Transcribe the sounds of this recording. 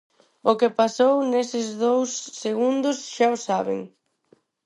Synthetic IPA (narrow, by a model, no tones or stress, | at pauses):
ʊkɪpasownesɪzðowsːeɣund̪ʊsʃaʊsaβɪ̰ŋ